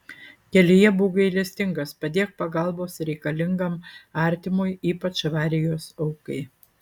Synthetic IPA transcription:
kʲɛlʲɪjɛbuːɡɐɪlʲɛsʲt̪ʲɪŋɡɐspɐd̪ʲeːk̚pɐɡɐˑlˠboːsɾʲɛɪkɐlʲɪŋɡɐmɑˑɾʲt̪ʲɪmʊjiːpɐt͡ʃʋɑːɾʲɪjoːsɐʊkɐɪ

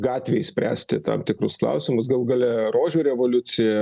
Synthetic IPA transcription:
ɡɑːt̪ʲʋʲeːɪsʲpʲɾʲæ̰ːsʲt̪ʲɪt̪ɑ̰mt̪ʲɪkrʊsklˠɐ̰ʊsʲɪmʊs̬ɡɐlˠɡɐlʲɛroːʒʲuːɾʲɛʋoːlʲʊt͡s̪ʲɪjɛ

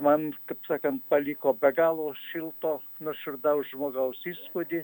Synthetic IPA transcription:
mɐnkɐpsɑːkɐnt̪̚pɐlʲiːkoːbʲɛɡɑːlˠoːʃʲɪlˠt̪oː | nʊʃʲʊrd̪ɐʊʒmoːɡɐʊsiːspʊd̪ʲɪ

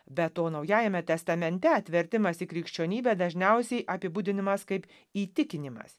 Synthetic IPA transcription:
bʲɛt̪toːnɐʊjæːjɛmʲɛt̪ʲɛst̪ɐmʲɛnʲt̪ʲɛɐt̪ʲʋʲɪɾʲt̪ʲɪmɐsikɾʲɪkʃʲt͡ʃʲuɔnʲiːbʲɛːd̪ɐʒʲnʲɛʊsʲɛɪʔɐpʲɪbuːd̪ʲɪnʲɪmɐskɐɪp | iːt̪ʲɪkʲɪnʲɪmɐ̰s

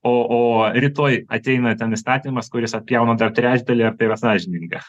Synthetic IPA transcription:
oːoːɾʲɪt̪oːjɐt̪ʲɛɪnɐt̪ʲɛnɪst̪ɑːt̪ʲɪnʲɪmɐskʊɾʲɪsɐt̪̚ʲpʲjɛʊnɐd̪ɐrt̪ʲɾʲæːt͡ʃʲd̪ɐlʲɪɐrt̪ɐɪiɾɐsɑːʒʲɪnʲɪŋɡɐ

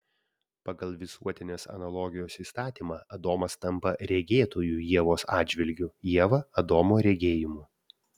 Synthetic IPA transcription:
pɐɡɐlˠʋʲɪsuɔt̪ʲɪnʲeːsɐ̰nɐlˠɔːɡʲɪjoːsiːst̪ɑːt̪ʲiːmɑːɐd̪oːmɐst̪ɐmpɐɾʲɛɡʲeːt̪oːjuːjiɛʋoːsɑːdʲd͡ʒʲʋʲɪlʲɡʲʊjiɛʋɐɐd̪oːmoːɾʲɛɡʲeːjɪmuː

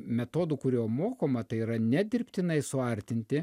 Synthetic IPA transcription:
mʲɛt̪oːd̪ʊkʊɾʲuːmoːkoːmɐt̪ɐɪiːɾɐnʲɛd̪ʲɪɾʲpʲt̪ʲɪnɐɪsʊɐɾʲt̪ʲɪnʲt̪ʲɪ

